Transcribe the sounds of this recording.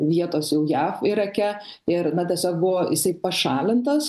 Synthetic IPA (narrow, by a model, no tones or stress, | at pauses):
ʋʲiɛt̪oːsjɛʊjæːfɪɾɐkʲɛ | ɪɾnɐt̪ʲɛsʲoːk̚bʊʋoːjɪsɐɪpɐʃɑːlʲɪnt̪ɐs